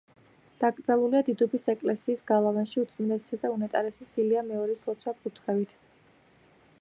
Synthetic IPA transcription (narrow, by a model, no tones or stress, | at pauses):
d̪̥aɡɾd̪zalˠuliad̪id̪ɔbisɛkʼlɛsiːsɡalˠavanʃiut̪sʼminɛsi̥sad̪aunɛt̪ʼaɾɛsisiliamɛɔɾislɔt̪sʰwapʰʼut̪ʰχɛvit̪ʰ